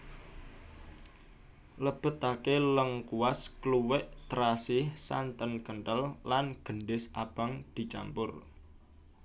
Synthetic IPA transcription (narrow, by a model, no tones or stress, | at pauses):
ləb̥ə̤t̪akeləŋkuwaskluwɪʔt̪ɾasɪhsa̰nt̪ənkəɳʈəlːanɡ̥ə̤ɳɖɪsab̥a̤ŋd̪̥i̤t͡ʃa̰mpʊr